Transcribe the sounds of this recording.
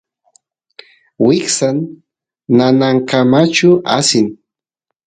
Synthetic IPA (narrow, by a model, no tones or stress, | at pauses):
wɪksanː | anaŋkamat͡ʃʊʔa̰sɪŋ